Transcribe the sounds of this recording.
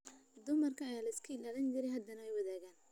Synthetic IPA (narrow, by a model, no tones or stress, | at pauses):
d̪ʊmɐrkʰɐjalɐɪskʰɐlaːlɐnd͡ʒɪɾɛjhɦɐd̪ɐnɐɛjwɐðaːɣaːn